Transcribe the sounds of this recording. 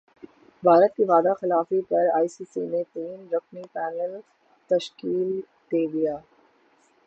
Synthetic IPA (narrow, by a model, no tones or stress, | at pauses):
bʱaːɾət̪̚kiʋaːd̪axɪlaːfipɐɾaːisiːsinet̪iːnɾɐknipɛːnəl | t̪ɐʃkiːl | d̪eːd̪ijaː